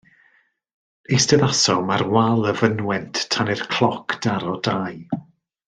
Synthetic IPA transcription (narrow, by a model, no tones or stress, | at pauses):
istəðasɔmarwalˠəvənwɛntʰtʰanɪrkʰl̥ˠɔkʰd̥aɾɔdaj